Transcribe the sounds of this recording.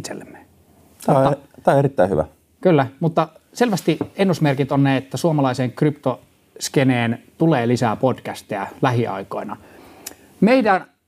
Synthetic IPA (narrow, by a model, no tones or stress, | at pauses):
t̪sḛlːemːe̥ | t̪æoɑt̪æːoeɾit̪ːæiy̰ʋæ̰ | kylːæmut̪ːɑselʋæst̪ienːusmerkit̪onnæˑiet̪ːæsuomɑlɑˑiseːŋkrypt̪o | skeneːnt̪uleːlisæpodkæst̪eælæɦhiʔɑ̰ˑiko̰inɑ | meidæ